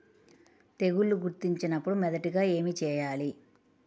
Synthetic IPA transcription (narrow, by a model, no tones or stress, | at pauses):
t̪e̞ɡulːuɡuɾt̪iɲt͡ʃinɐpːuɽumɛd̪ɐʈiɡaːe̞ːmit͡ʃɛːjaːli